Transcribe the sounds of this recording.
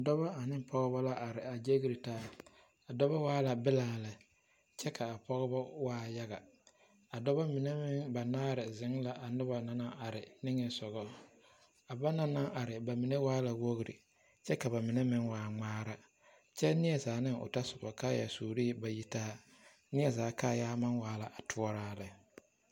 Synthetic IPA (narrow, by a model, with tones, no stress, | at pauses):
a˨dɔ˦βa˦a˨nɪ˦pʰɔ˦ɣɔ˦ba˦la˦ʔa˨ɾɪ˨a˨d͡ʒe˦ɣi˦ɾi˨taː˦ | a˨dɔ˦βa˦waː˦la˨bɪ˦laː˨la˨ | t͡ʃɛ˦kʰa˨a˨pɔ˦ɣɔ˦bɔ˦waː˦ja˦ɣa˨ | a˨dɔ˦βa˦mɪ˨ne˦mɪ˦ŋba˨naː˦ɾɪ˨zɪ˨˦ŋla˨ʔa˨nʊ˦ba˨na˨na˦ʔa˨ɾɪ˨nɪ˦ŋɛ˨sɔ˨ɣɔ˦ | a˨ba˦na˦na˦ŋʔa˨ɾɪ˨ba˨mɪ˨ne˦waː˦la˨wo˦ɣɾḭ˨ | t͡ʃɛ˦ka˨ba˨mɪ˨ne˦mɪ˦ŋwaː˨˦ŋ͡maː˦ɾa˦ | t͡ʃɛ˦nɪ˦ɛ˨zaː˨˦nɪ˦ŋʊ̰˨ta˦sʊ˨bɔ̰˨ka˦ja̰˨suː˨ɾi˦˨ba˨ji˦taː˦ | nɪ˦ɛ˨zaː˨˦ka˦˨jaː˦ma˦nwaː˦la˨ʔa˨tʰʊ˦ɔ˦ɾaː˦lɪ˨